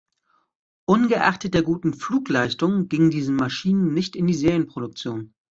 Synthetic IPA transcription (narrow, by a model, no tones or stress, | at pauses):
ʔʊnɡəʔa̰χtət̚d̥eːɐɡuːtn̩fluːklaɪstʊŋɡɪŋədiːzn̩maʃiːnənːɪçtɪndiːzeːɐjənpʁ̥oɾʊk̚t͡sjoːn